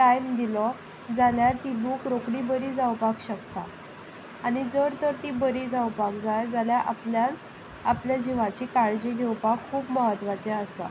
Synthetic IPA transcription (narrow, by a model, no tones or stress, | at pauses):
ʈajmd̪ilɔ | d͡zaljaɾt̪iːd̪uːkʰɾokɽiːbəɾiːd͡zawpakɕəkt̪a | aɽ̃id͡zəɾt̪əɾt̪iːbəɾiːd͡zawpakd͡zajd͡zaljaʔaplan | apljad͡ʑiʋat͡ɕiːkaɭd͡ʑiɡ̪ʱewpakʰːuːpməɦət̪ʋat͡ɕeəsa̰